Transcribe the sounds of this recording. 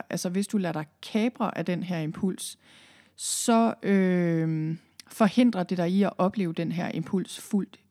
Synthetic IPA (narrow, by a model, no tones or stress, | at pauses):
ʔælsəʋe̝sd̥ulæɾ̥ɑ̈ɪkʰɛːb̥ʁɐʔæd̥enɦæɐ̰e̝mpʰul̰s | sɒ̽ø | fɒ̽he̝n̰d̥ʁɐd̥e̝ɾ̥ɑ̈iɒʔɒ̽b̥le̝ːʊd̥enɦæɐ̰ʔe̝mpʰul̰sful̰d̥